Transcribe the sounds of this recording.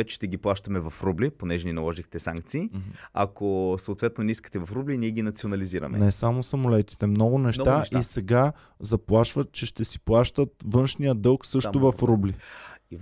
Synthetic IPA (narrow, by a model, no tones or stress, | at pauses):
ɛt͡ʃɛ̥ʃt̪ɛɡʲiplˠaʃt̪əmɛvɐfɾubliponɛʒɛninɐlˠɔʒixt̪ɛsa̰ŋkt̪siːɐ̰kosɐot̪vɛt̪nonɛiskə̥t̪ɛvɐfɾubliniɛɡʲinɐt̪sionɐliziɾɐ̰mɛ̰nɛsamosɐmʊlɛt̪i̥t̪ɛmnɔɡʊnɛʃt̪aʔisɛɡa | zɐplˠaʃvət̪t͡ʃɛʃt̪ɛsi̥plˠaʃt̪ət̪vɤnʃnijəd̪ɤlˠksɤʃʊvɐfɾubli